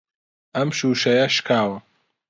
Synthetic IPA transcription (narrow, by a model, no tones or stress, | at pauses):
ʔɐmʃuːʃɐjɐʃkʰaːwɐ